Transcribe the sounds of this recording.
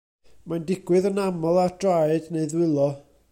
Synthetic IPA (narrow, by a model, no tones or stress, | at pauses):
mandɪɡwɨðənamɔlˠard̥rajdneɨðwɪlˠɔ